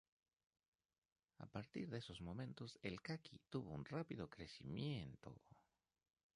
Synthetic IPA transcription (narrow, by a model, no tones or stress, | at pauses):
a̰paɾt̪ḭɾðeso̞zmõ̞mẽ̞nt̪o̞se̞lkakʰit̪uβo̞unrapiðo̞kɾe̞simjent̪o̰